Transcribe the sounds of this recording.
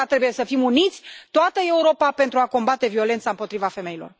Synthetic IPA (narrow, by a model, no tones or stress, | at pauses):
at̪ɾe̞buje̞səfimunit̪sʲt̪oat̪əe̞uɾo̞pape̞nt̪ɾuako̞mbat̪e̞vio̞le̞nt̪saɨmpo̞t̪ɾivafe̞me̞ilo̞̰r